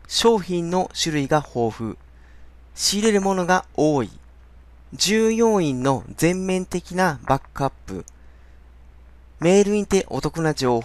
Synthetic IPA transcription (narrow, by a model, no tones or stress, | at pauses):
ɕo̞ːçĩnːo̞ɕɨɾɯ̟iɡaho̞ːɸɯ̟̰ | ɕiːɾe̞ɾɯ̟mo̞no̞ɡao̞ːḭ | d͡ʑɨːjõ̞ɰ̃ĩnːo̞zẽ̞mːẽ̞nt̪e̞kʲinabakɯapːɯ̟̰ | me̞ːɾɯ̟ĩnt̪e̞ʔo̞̰t̪o̞kɯnad͡ʑo̞ː